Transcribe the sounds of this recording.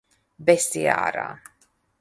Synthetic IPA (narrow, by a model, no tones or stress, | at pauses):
bɛsia̰ːɾa̰ː